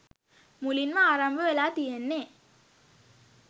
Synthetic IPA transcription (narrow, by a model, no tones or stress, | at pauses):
mʊlinmãaːɾambɐɛlaːt̪iɛnːe